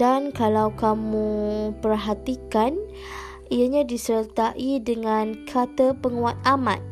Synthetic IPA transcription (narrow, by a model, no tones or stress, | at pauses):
dankalawkamũpərɦat̪ikan | ijaɲãdisəɾət̪aʔidəŋãnkʰat̪əpəŋuat̪̚amã̰t̪̚